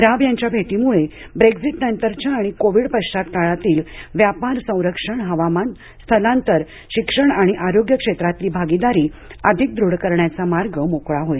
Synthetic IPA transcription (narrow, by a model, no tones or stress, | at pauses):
ɾabjaɲt͡ɕjabʱeʈimuɭebɾeɡd͡ziʈnənt̪əɾt͡ɕaːɽ̃ikoʋiɽpət͡ɕat̪kaɭat̪iːlʋjapaɾsə̃w̃ɾəkʂəɳɦəʋaman | st̪ʰəlant̪əɾ | ɕikʂəɳaɽ̃iʔaɾoɡjəkʂet̪ɾat̪liːbʱaɡid̪aɾiːəd̪ʱik̚d̪ɾuɽkəɾɳjat͡samaɾɡəmokɭaɦoj